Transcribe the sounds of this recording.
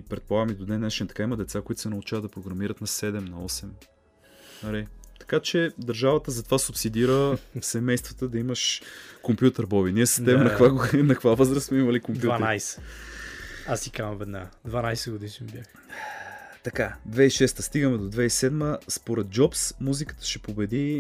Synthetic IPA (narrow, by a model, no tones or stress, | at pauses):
ipɾɛt̪̚polˠaɡəmid̪od̪nɛnat͡ʃint̪ɐ̥kaimɐd̪ɛt̪sakoit̪ʊ̥sɛnɐʊt͡ʃavəd̪ɐpɾoɡɾɐmiɾət̪nɐsɛd̪ɛmnɐɔsɛm | ɐɾit̪ɐ̥kat͡ʃɛd̪ɐɾʒavɐt̪əzɐt̪ovasupsid̪iɾəsɛmɛjst̪vɐt̪əd̪ɐiməʃkompʲjut̪əɾbɔbiniɛsəst̪ɛɛmɛnɐkvaɡnɐkvavɤzɾəssmɛimɐlikompd̪utvanɾajsɛ̥ | asʲikanɐ̃vɛd̪nad̪vanajsɛɡod̪iʃbʲjax | t̪ɐkad̪vɛiʃɛst̪əst̪iɡəmɛd̪od̪vɛisɛd̪məspoɾɛt̪̚d͡ʒɔpsmuzikə̥t̪ə̥ʃɛpobɛd̪i